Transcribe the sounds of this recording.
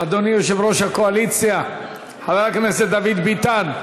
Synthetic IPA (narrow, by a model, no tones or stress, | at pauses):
ad̪onijoʃevɾo̞ʃhakoalit͡sja | havaakneset̪̚d̪avid̪bit̪an